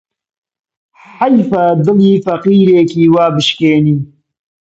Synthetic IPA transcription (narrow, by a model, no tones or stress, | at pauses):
ħajfaːd̪ɨliːfɐqiːɾeːkiːwaːbɨʃkeːniː